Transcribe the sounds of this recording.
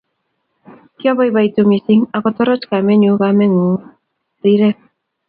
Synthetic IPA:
kjoβajβajt̪umisiŋaɣot̪oɾot͡ʃkameɲuɣameŋu | d̪iɾe

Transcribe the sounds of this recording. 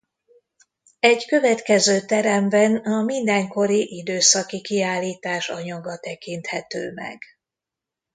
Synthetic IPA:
ɛɟkø̞vɛt̪kɛzøːt̪ɛɾɛmbɛnɒmind̪ɛŋko̞ɾiʔid̪øːsɒkikiaːlːiːt̪aːʃɒ̰ɲɒɡɒt̪ɛkint̪hɛt̪ø̰ːmɛ̰ɡ̥

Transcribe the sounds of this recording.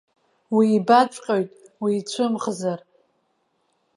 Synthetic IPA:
wiːbat͡ʃʷʼqʲʼojtʼwiːt͡ɕʷʰɨmχzar

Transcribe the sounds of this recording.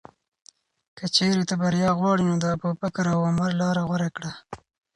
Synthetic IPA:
kət͡ʃeɾet̪abaɾjɑːɣwɑɽinod̪apopakaɾawamaɾlɑːɾaɣwaɾakɽa

